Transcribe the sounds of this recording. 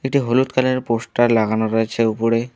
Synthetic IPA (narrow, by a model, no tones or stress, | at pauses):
eʈiɦolut̪kʰaleɾposʈaɾlaɡanoɾoet͡ɕʰeupoɾe